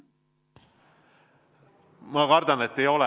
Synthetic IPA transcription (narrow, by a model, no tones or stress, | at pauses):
mɑkɑrd̪̥ɑnet̪ːejo̞lɛ